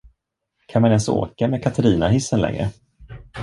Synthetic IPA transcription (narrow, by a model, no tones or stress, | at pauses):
kʰanmanɛnso̰ːkamɛːkʰat̪ʰaɾiːnaɦɪsːənlɛ̰ŋɾə̰